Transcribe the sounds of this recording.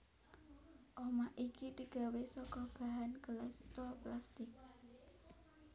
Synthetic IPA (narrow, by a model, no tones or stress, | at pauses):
ʔɔmaʔikid̪iɡ̥a̤wesɔkɔb̥ä̤ɦanɡ̥əlɛst̪ɔplast̪ɪk̚